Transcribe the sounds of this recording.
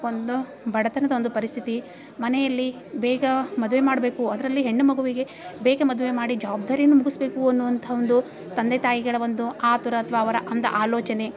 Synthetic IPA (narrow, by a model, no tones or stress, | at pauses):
ond̪u | bʱɐɽɐt̪ɐnɐd̪ɐo̞nd̪upɐɾist̪ʰit̪i | mɐnɛjɐlːi | bɛːɡɐmɐd̪uʋe̞maːɽbeːkuɐd̪ɐɾɐlːiɦe̞ɳːumɐɡuʋiɡe̞ | beːɡɐmɐd̪uʋe̞maːɽid͡ʒɐʋaːb̚d̪ʱaːɾijɐnːumuɡisbe̞ːkuɐnːuʋɐnt̪ʰɐond̪u | t̪ɐnd̪et̪aːjiɡɐɭɐʋo̞nd̪uaːt̪uɾɐːt̪ʰɐʋaːʋɐɾɐʔɐnd̪ɐʔaːlɔːt͡ʃɐne̞